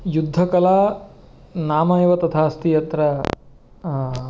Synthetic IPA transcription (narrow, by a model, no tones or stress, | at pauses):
jud̪ʱːɐkɐlaː | naːmɐjʋɐt̪ɐt̪ʰaːst̪ijɐt̪ɾɐ